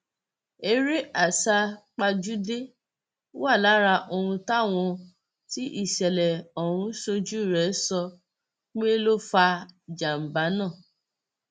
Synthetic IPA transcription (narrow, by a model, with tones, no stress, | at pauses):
e˧ɾe˦ʔa˦˨sa˧k͡pa˧d͡ʒu˦de˦ | wa˦˨la˨˦ɾa˧ʔo˧ɾũ˧ta˦˨w̃ɔ̃˧ | ti˦ʔi˦˨ʃɛ˨lɛ˨ɔ˨ɾ̃ũ˧˦ʃo˧d͡ʒu˦i˦˨ɾɛ˨˦sɔ˧ | k͡pe˦lo˦fa˧d͡ʒa˨m̩˨ba˨˦nãː˦˨